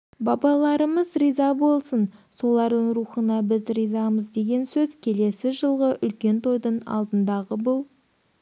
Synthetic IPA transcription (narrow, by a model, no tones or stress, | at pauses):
bɑbɑlˠɑɾəməzrijzɑbo̞lˠsənso̞lˠɑɾd̪əŋɾuχənɑbɪzrijzɑməzd̪e̞ɡʲe̞nsɵzkʲʰe̞le̞sɪʒəlˠʁəʔʏlkʲe̞nt̪ʰo̞jd̪əɴɑ̰lˠd̪ənd̪ɑʁəbʊlˠ